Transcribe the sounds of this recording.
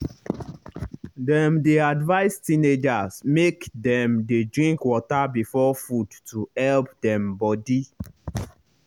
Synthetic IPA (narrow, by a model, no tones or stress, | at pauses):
dɛ̃mdeadvaɪstĩned͡ʒasmekdɛ̃mdedɹĩŋkwɔtabifɔfudtuhɛlpdɛ̃mbɔdi